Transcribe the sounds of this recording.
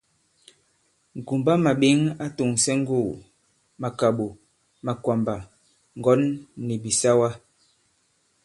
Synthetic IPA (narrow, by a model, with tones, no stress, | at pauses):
ŋ˨ɡu˨mba˦ma˨ɓi˦ŋa˦tu˨ŋsɛ˦ŋ̩˦ɡu˦˨ | ma˨ka˨ɓo˨ | ma˨kwa˨mba˨ | ŋ̩˨ɡɔ˨˦nːi˨bi˨sa˦wa˦